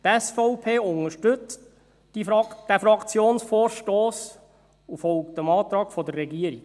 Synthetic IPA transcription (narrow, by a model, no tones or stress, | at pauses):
t̪ɛsfɔʊpʰeːʊŋəʃtɵt͡st | d̥æfɾɑkt͡sjoːnsfɔːɾʃtoːs | ufɔlkt̪əmɑːt̪ɾɑːkfɔdərːɛɡiəɾik